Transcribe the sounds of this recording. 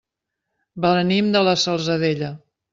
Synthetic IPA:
bələnimd̪ələsəlˠzəðeʎə

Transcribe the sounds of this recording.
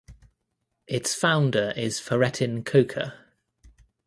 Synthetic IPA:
ʔɪtsfãʊ̃ndəɹʔɪz̥fəɹɛtʰɪ̃nkʰəʊkʰə̰

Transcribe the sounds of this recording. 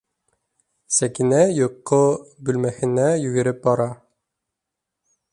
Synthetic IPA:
sækinæjŏqːobʉlmæhɘ̆næjʉɡɘ̆ɾɘp̚bɒɾɑ

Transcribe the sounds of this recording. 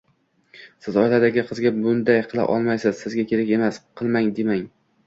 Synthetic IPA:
sɪzɒjlad̪aɡʲɪqʰɨzɡʲabʊnd̪ajqʰɨlˠa̰ʔɒ̰lˠmajsɪzsɪzɡʲakʲʰe̞ɾakʲe̞masqʰɨlˠmaŋd̪emaŋ

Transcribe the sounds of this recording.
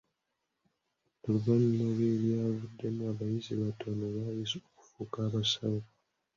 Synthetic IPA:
oluɡaninoβeljaːvudːe̞muaβajiziβatonoβajisoku̥fuːkaːβasana

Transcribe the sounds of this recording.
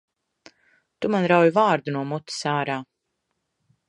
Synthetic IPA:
t̪umanɾawjuvaːɾd̪unuɔmut̪i̥saːɾaː

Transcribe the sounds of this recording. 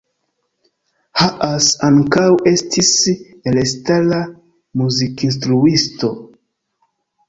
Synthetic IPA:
haʔasaŋkawe̞stis | elestala | muzikins̬tɾuisto̞

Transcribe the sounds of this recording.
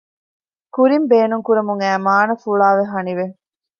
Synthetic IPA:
kuɾimbeːnuŋkuɾɐmuŋæːmaːnɐfuɭaːʋeɦɐniʋe

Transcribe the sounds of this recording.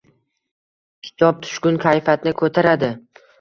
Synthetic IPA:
kʲʰɪ̥t̪ʰɒp̚t̪ʰʊ̥ʃkʲʊnkʲʰajfat̪̚nɪkʰɵt̪ʰaɾad̪ɪ

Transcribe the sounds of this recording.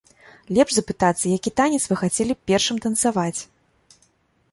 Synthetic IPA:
lʲɛpʐzɐpɨt̪at̪sːɐjakʲit̪anʲɛt̪svɨxat͡sʲɛlʲipʲɛrʂɨmt̪ɐnt̪savat͡sʲ

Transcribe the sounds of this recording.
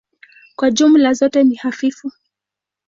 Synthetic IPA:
kwad͡ʒumlazɔtɛnihafifu

